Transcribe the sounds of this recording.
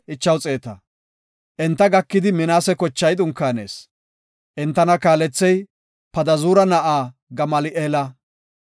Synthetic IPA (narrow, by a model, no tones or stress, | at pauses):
ʔɪt͡ʃːɐwt͡sʼeːt̪ɐ | ʔɛnt̪ːɐɡɐkːɪd̪ɪmɪnaːsɛkɔt͡ʃːɐjd̪ʊŋkːaːne̞̰ːs | ʔɛnt̪ːɐnɐkaːlɛt͡sːɛj | pɐd̪ɐzuːɾɐnɐʔaːɡɐmɐlɪʔeːlɐ